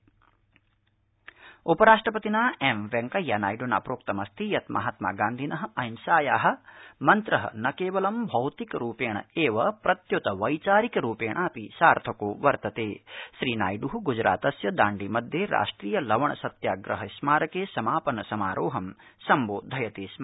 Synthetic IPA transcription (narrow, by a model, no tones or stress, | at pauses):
upɐɾaːʂʈɾɐpɐt̪inaːemʋeŋkɐjanaːjɖuna̰ːpɾoːk̚t̪ɐmɐst̪ʰijɐt̪mʔɐ̰ɦɐt̪ma̰ːɡaːnd̪ʱinɐɦɐɐjnsaːjaːɦɐ̆mɐnt̪ɾɐɦɐ̰nɐkeːʋɐlɐmbʱɐwt̪ikɐɾuːpeːɳɐ̰eːʋɐpɾɐt̪jut̪ɐʋɐjt͡ʃaːɾikɐɾuːpeːɳʔaːpisaːɾt̪ʰɐkoːʋɐɾt̪ɐt̪eːʃɾiːna̰ːjɖuɦuɡud͡ʒɾa̰ːt̪ɐsjɐd̪aːɳɖimɐd̪ʱjeɾʔa̰ːʂʈɾiːjɐlɐʋɐɳɐsɐt̪jaːɡɾɐɦɐsmaːɾɐkeːsɐmaːpɐnɐsɐmaːɾʔoːɦɐmsɐmboːd̪ʱɐjɐt̪eːsma